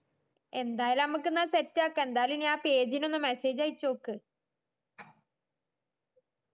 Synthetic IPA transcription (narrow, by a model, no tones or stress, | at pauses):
e̞nd̪aːjɐlnɐmuk̬ːɨnːaːsetːaːkːɨend̪aːjlinaːpeːd͡ʑinonːɨmese̞ːd͡ʑaːjit͡ɕːoːkːɨ